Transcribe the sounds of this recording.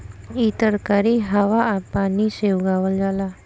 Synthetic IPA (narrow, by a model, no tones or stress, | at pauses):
it̪əɾkaɾiɦaʋaːpanisewɡaʋəld͡zala